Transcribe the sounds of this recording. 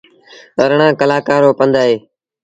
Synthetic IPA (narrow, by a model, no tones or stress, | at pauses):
əɾɳãːkəlaːkaːɾoːpənd̪aːɦeː